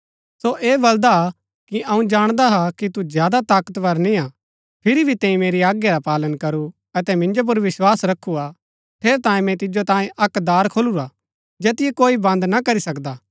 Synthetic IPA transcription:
soʔeːbɐld̪a | kiɐũd͡ʒaːɽ̃d̪aɦakit̪uzjaːd̪at̪aːkət̪ʋɐɾnĩa | pʰɪɾibʱit̪ɛ̃ːĩmeːɾiaːɡjaɾapaːlənkɐɾu | ɐt̪ɛmɪ̃nd͡ʒop̬ʊɾʋɪswaːsɾɐkʰːua | pʰeːɾt̪ãːjẽmɛ̃t̪̬ɪd͡ʒot̪ãːjẽʔɐkd̪aːɾkʰoːluɾa | d͡ʒeːt̪ɪjekoːibɐ̃nd̪nakɐɾisɐkd̪aː

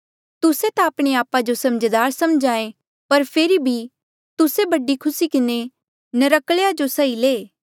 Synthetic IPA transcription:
t̪ʊset̪ãːpɽ̃eaːpad͡ʒosɐmd͡ʒd̪aːɾsɐmd͡ʒaːẽ | pɐɾpʰeːɾibʱi | t̪ʊsebɐɖikʰʊsikɪne | nɐɾɐkɭejad͡ʒosɐileː

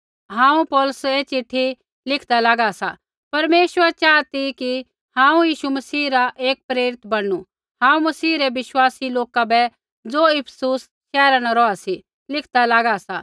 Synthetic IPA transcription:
ɦãːũpɔːlʊseːt͡ʃɪʈʰːi | lɪkʰd̪alaːɡasa̰ | pɐɾmeːʃwəɾt͡ʃaːt̪iki | hãːũjiːʃumɐsiːɾaʔeːk̚pɾeːɾɪt̪bɐɽu | ɦãːũmɐsiːɾɛʋɪʃwaːsiloːkabɛ | d͡zoːɪpʰsuːs | ʃɛːɾanaɾɔasi | lɪkʰd̪alaːɡasa

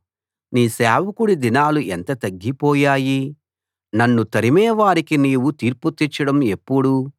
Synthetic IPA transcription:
niːsaːʋɐkuɽid̪inaːluʔent̪ɐt̪ɐɡːipɔːjaːji | nɐnːut̪ɐɾimɛːʋaːɾikiniːwut̪iːɾput̪ːit͡ʃːɐɽɐme̞pːuɽu

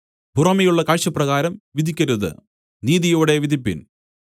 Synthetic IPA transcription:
bʱurɐmɐjuɭːɐkaːɻʂɐprɐɣaːɾɐmʋid̪ʱikʲːɐɾuðɨ̰ | niːðijoːɽe̞ʋid̪ʱipːḭn

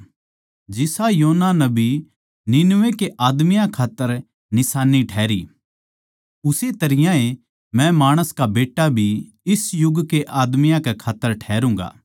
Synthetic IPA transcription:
d͡ʒɪsajoːnanɐbʱi | nɪnʋekeʔaːd̪mɪjãkʰaːt̪ːəɾ | nɪsaːniʈʰɛːɾi | ʊset̪ɐɾɪjãe | mɛ̃maːɽ̃əskabeːʈːabʱi | ɪsjʊɡkeʔaːd̪mɪjãkekʰaːt̪ːəɾʈʰɛːɾũːŋ̆ɡa̰ː

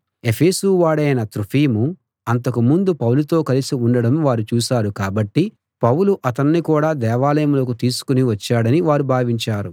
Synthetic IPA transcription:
e̞pʰe̞ːsuːʋaːɽɐjɐnɐt̪ɾupʰiːmu | ɐnt̪̬ɐkumund̪upɐwlut̪o̞ːkɐlisiuɳɖɐɽɐmʋaːɾut͡ʃuːʃaːɾukaːbɐʈːi | pɐwuluʔɐt̪ɐnːikuːɽaːd̪ɛːʋaːlɐjɐmloːkut̪iːsu̥kuniʋɐt͡ʃːaːɽɐniʋaːɾubʱaːʋiɲt͡ʃaːɾu

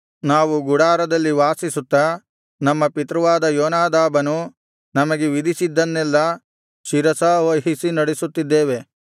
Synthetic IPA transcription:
naːʋuɡuɽaːɾɐd̪ɐlːiʋaːsisut̪ːɐ | nɐmːɐpit̪ɾɐʋaːd̪ɐjɔːnaːd̪aːbɐnu | nɐmɐɡeʋid̪ʱisid̪ːɐnːɛlːɐ | ʃiɾɐsɐʋɐɦisinɐɽesut̪ːid̪ːeːʋe̞

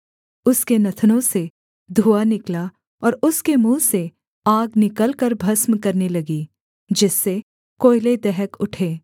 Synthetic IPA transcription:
ʊskenɐt̪ʰənõse | d̪ʱuːanɪkla | ɔːɾʊskemũːse | aːɡnɪkəlkɐɾbʱɐsmkɐɾnelɐɡiː | d͡ʒɪsːe | koːɪled̪ɛɦəkʊʈʰeː

